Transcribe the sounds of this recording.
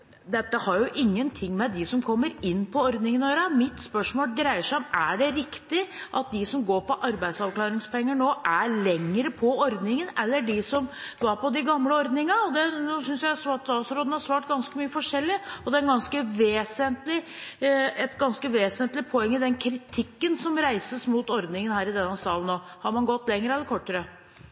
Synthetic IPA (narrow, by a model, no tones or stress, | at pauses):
d̪ɛt̪ːəhɑɾjʊʔɪŋːənt̪ʰɪŋːmɛd̪ɪsɔmkʰɔmːəɾɪnːpʰɔɔɾd̪nɪŋənɔjøːɾɑmɪt̪spœʂmoːlɡ̪ɾæɪəʂæɔmæɖɛɾɪkt̪ɪʔɑt̪̚d̪ɪsɔmɡoːpɔʔɑɾbæɪsɑʋkʰlɑːɾɪŋspʰɔɛŋːəɳoːʔæɭɛŋːɾəpʰɔɔɾd̪nɪŋənɛlːəɖɪsɔmʋɑɾpɔd̪ɪɡɑmləɔɾd̪nɪŋɑɔd̪ɛnosʏnsjæɪæsʋɑt̪ɑsɾoːd̪n̩hɑɾʂsʋɑːʈɡɑnskəmyːəfɔʂɛlːɪɔd̪ɛæɾɡɑnskəʋeːsənt̪lɪ | ɛt̪ɡɑnskəʋeːsənt̪lɪpʰɔɛŋːəd̪ɛnkʰɾɪt̪ʰɪkːənsɔmɾæɪsəsmuːt̪ɔɾd̪nɪŋənhæːɾɪd̪ɛnːəsɑːlənːoːhɑɾmɑnɡɔt̪ːlɛŋːəɾəɛlːəkʰɔʈːəɾə